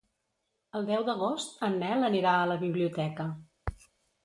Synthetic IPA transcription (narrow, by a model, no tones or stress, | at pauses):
əlˠd̪ɛwd̪əɣ̞ost̪ənːɛləniɾaələβiβliut̪ɛkə